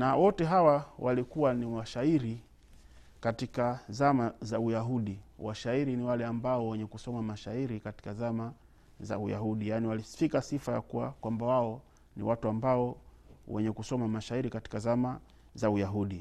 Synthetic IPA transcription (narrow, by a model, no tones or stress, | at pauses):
nawɔtɛɦawawalikuwaniwaʃaiɾi | katikazamazaujaɦuɗiwaʃaiɾiniwalɛambaɔwɛɲɛkusɔmamaʃaiɾikati̥kazama | za̰uja̰ɦuɗijaːniwalifikasifaja̰kuwa̰kwambawaɔ | nḭwʔatuambaɔ | wɛ̰ɲɛkusɔmamaʃaiɾikati̥kazama | zaujaɦuɗi